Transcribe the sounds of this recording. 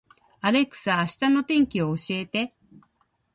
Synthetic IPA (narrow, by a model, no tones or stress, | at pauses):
aɾe̞kɯ̟̥sɨaːɕi̥t̪ano̞t̪ẽ̞ŋkʲio̞ːɕie̞t̪e̞